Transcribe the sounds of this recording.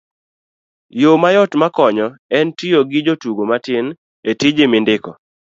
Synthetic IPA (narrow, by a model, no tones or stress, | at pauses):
jomajɔtmakɔɲɔɛntijoɡɪd͡ʒotuɡomatɪn | etɪd͡ʒɪmɪndɪkɔ